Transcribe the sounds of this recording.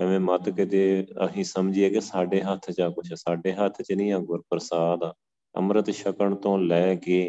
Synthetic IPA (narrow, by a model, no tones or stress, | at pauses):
əʋẽːmət̪kɪt̪eːə̰sĩːsəmd͡ʒɪaːkesaːɖeːɦət̪ʰt͡ʃaːkʊt͡ʃʰɛːsaːɖeːɦət̪ʰt͡ʃənĩːãːɡʊɾpəɾsaːd̪aː | ə̰mɾət̪ʃəkəɳt̪õːlɛːɡeː